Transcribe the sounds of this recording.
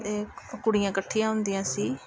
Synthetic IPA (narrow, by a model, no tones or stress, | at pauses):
ekʊɽɪjãːkəʈʰːijãːɦʊnd̪ɪjãːsiː